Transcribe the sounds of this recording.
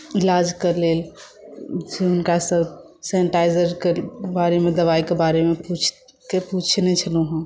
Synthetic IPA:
ɪlaːd͡ʒkəɾlel | d͡ʒeʊnkasəb | sɛ̃nʈaɪd͡ʒəɾkebaːɾemẽd̪əʋaikebaɾemeput͡ʃʰ | kepuːt͡ʃʰnɛt͡ʃʰəlũɦũ

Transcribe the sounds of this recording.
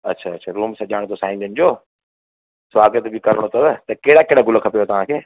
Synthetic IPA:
ɐtːɕʰaɐtːʃʰaɾuːmsãʄaːɽ̃t̪ʰosaːĩːnd̪ənɪ̆d͡ʑoː | sʋaːɡət̪bɪkɐɾəɽ̃ot̪ʰɐbt̪ɐkeːɽakeːɽaɡʊləkʰɐpijot̪ɐʋ̤ãkʰeː

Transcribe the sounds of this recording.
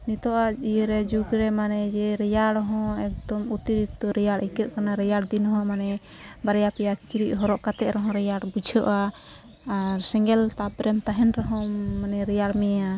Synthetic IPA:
nit̪ɔʔaijəɾɛd͡ʒukɾɛmanɛd͡ʒɛɾɛjaɽɔɦɔ̃ɛk̚d̪ɔmut̪iɾikt̪ɔɾɛjaɽikəʔkanaɾɛjaɽd̪inɦɔ̃manɛ | baɾɛjapɛjaki̥t͡ʃɾiʔɦɔɾɔʔkat̪ɛʔɾɔɦɔ̃ɾɛjaɽbud͡ʒʰʱəʔaː | ɾsɛŋɡɛlt̪apɾɛmt̪aɦɛnɾɔɦɔ̃manɛɾɛjaɽmɛja

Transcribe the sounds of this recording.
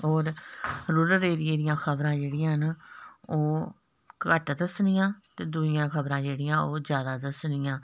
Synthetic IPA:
ɦɔːɾɾuːɾəɾeːɾieːɾɪjãːkʰəbɾãːd͡ʒeːɽɪjãːn | oː | kəʈd̪əsnɪjãːt̪eːd̪uːɪjãːkʰəbɾãːd͡ʒeːɽɪjãːoːzjaːd̪aːd̪əsnɪjãː

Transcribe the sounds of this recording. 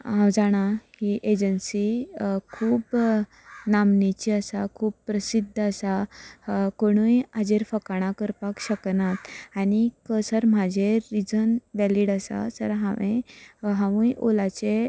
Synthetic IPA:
ɦãwd͡zaɽ̃ahiʔed͡ʑənsikʰuːb | namnit͡ɕiəsakʰuːb̚pɾəsid̪ʱːəsa | koɽ̃ujad͡ʑeɾfəkaɽ̃ãkəɾpakɕəknat̪añikəsəɾm̤ad͡ʑʱeɾid͡zənʋɛliɽasa̰sə̰ɾɦãʋẽɦãʋũjʔolat͡se

